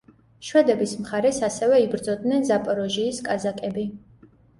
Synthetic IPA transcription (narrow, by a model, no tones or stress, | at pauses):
ʃwɛd̪ɛbismχaɾɛsasɛvɛibɾd̪zɔd̪̚nɛnzapʼɔɾɔʒiːskʼazakʼɛbi